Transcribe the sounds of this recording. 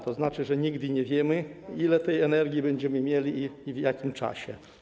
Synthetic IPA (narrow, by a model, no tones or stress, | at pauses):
t̪ɔznat͡ʂɘʐɛɲiɡd̪ɘɲɛvʲjɛmɘilɛt̪ɛjɛnɛɾɡʲjibɛɲd͡ʑɛmɘmʲjɛlʲivjakʲimt͡ʂa̰ɕɛ̰